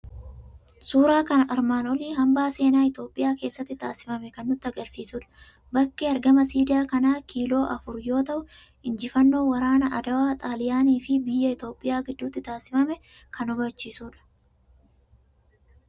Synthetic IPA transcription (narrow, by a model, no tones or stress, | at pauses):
suːɾaːkɐnʔɐɾmaːnɔliːɦɐmbaːse̞ːnaːɪt̪o̞ːpʼːɪjaːke̞ːsːɐt̪ːɪt̪aːsɪ̥fɐmɛkɐnːʊt̪ːɪɐɡɐlsiːsuːᶑɐ̥ | bɐkːeːɐɾɡɐmɐsiːd̪ɪjaːkɐnaːkʰiːlo̞ːʔɐfʊɾjo̞ːt̪ɐʔʊ | ɪnd͡ʒɪfɐnːo̞ːwɐɾaːnɐʔɐd̪ɐwaːt̪ʼaːlɪjaːniːfɪbɪjːɐɪt̪o̞ːpʼːɪjaːɡɪd̪ːuːt̪ːɪt̪aːsɪfɐmɛ | kʰɐnɔbɐt͡ʃːiːsuːᶑɐ̥